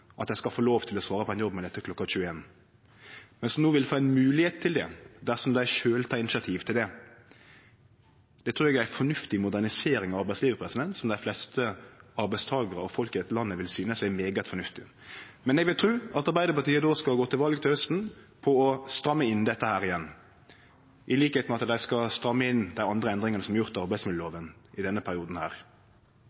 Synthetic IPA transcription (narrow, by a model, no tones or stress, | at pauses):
ʔɑt̪jæɪskɑlfoːloːʋt̪ʰɪlɔsʋɑːɾəpʰɔɛnjɔbːmɛld̪ɛt̪ːəkʰlɔkːɑçʉːəeːn | mɛnsnoːʋɪld̪foːɛnmʉːlɪheːt̪̚ʰːɪld̪ɛ̰d̪æsɔmd̪æɪʃøːlt̪ʰɑːɪnɪsɑt̪ʰiːʋt̪ʰɪld̪ɛ | d̪ɛt̪ʰɾʉːɛɡjæfɔnʉft̪ɪmʊd̪æʁnɪseːɾɪŋɑɑɾbæɪsliːʋəpʰɾɛsɪd̪ɛnt̪sɔmd̪æɪflɛst̪ʰəɑɾbæɪst̪ʰɑːɡəɾəɔfɔlkəɛt̪lɑnːəʋɪlsyːnəsæmeːɡət̪fɔnʉft̪ɪ | mɛnɛɡʋɪlt̪ʰɾʉːɑt̪ɑɾbæɪd̪əpɑt̪iːəd̪oːskɑlɡoːt̪ʰɪlʋɑlɡt̪ʰɪlhœst̪n̩ | pʰɔɔst̪ɾɑmːəɪnd̪ɛt̪ːəhæːɾɪjɛnː | ʔɪliːkəheːt̪mɛɑt̪d̪æɪskɑst̪ɾɑmːəɪnd̪æɪɑnd̪ɾəɛnd̪ɾɪŋənəsɔmɑɾʁjʊʁt̪ɑɑɾbæɪsmɪd̪̩oːʋənɪd̪ɛnːəpʰæɾɪuːd̪n̩hæ̰ːɾ